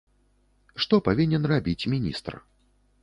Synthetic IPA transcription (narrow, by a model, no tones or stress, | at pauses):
ʂt̪ɔpavʲinʲɛnrabʲit͡sʲmʲinʲḭst̪r